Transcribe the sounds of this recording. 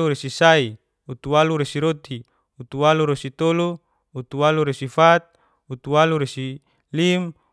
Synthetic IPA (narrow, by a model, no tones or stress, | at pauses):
uɾesisai | ut̪uwaluɾesiɾot̪i | ut̪uwaluɾesit̪oluː | t̪uwaluɾesifat̪̚ | ut̪uwaluɾesi | lim